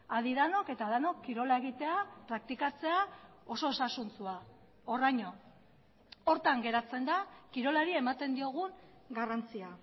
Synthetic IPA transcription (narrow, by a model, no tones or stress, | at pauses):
aðiðano̞ke̞t̪aðano̞kːiɾo̞lae̞ɣ̞it̪e̞apɾak̚t̪ikat͡se̞a | o̞so̞esasunt͡sua | orajɲo̞ | o̞ɾt̪aŋɡe̞ɾat͡se̞nd̪akiɾo̞laɾie̞mat̪e̞nd̪io̞ɣ̞uŋɡarant͡sia